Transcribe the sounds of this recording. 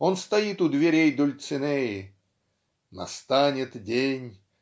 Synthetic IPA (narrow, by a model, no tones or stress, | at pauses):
onst̪ɐjit̪ʊd̪vʲɪɾʲejd̪ʊlʲt̪sɨnɛjɪ | nɐ̰st̪anʲɪt̪dʲenʲ